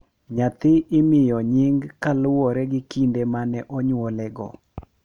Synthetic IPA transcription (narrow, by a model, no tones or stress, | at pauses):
ɲat̪ɪɪmɪjɔɲɪŋɡkalʊwɔɾɛɡɪkindemanɛʔɔɲwɔlɛɡɔ̰